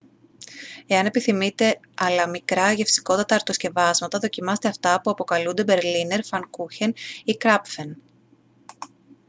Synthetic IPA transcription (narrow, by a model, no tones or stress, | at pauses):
e̞ɐne̞piθimit̪e̞ | ɐlɐmikɾɐʝe̞fsi̥ko̞t̪ɐt̪ɐːɾt̪o̞sce̞vɐzmɐt̪ɐðo̞cimɐset̪eɐft̪ɐpuɐpokɐlund̪e̞be̞ɾline̞ɾfɐŋkuçenikɾɐpfe̞n